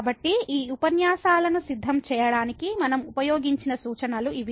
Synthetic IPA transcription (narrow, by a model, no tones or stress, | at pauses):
bɐʈːiiːupɐnjaːʃaːlɐnusid̪ʱːɐmt͡ʃɛːjɐɽaːnikimɐnɐmupɐjoːɡiɲt͡ʃinɐsuːt͡ʃɐnɐluiʋ